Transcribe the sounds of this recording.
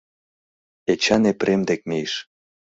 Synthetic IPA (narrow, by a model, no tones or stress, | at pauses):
et͡ɕɑnepɾemd̪ek̚mejʃ